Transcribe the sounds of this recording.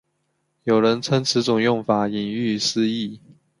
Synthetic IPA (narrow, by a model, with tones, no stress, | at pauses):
jo˨˩ʊɻə˧˦˥nt͡sʰə˥nt͡s̩ʰ˨˥t͡sʊ˨˩ŋjʊ˥˩ŋfa˨˩˦i˨˩ŋy˥˨s̩˥i˥˩